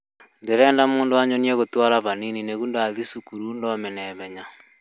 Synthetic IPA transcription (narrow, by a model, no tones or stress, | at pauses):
ndeɾɛːndamuːndoaɲonieɣotwaɾaβaninineɣundaðisukuɾundɔmenɛβɛɲa